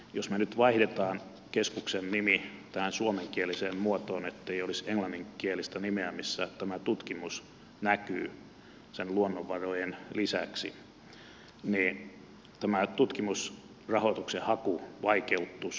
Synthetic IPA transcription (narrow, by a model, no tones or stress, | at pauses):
josmenyt̪ʋɑihdet̪ɑːn | keskuksennimit̪æhænsuomeŋkieliseːmmuot̪oːnet̪ːeioliseŋlɑnːiŋkielist̪ænimeæmisːæt̪æmæt̪ut̪kimus | nækyː | senluonːoʋːɑrojenlisæksḭ | niː | t̪æmæt̪ut̪kimus | rɑhot̪uksehɑkuʋɑikeut̪ːus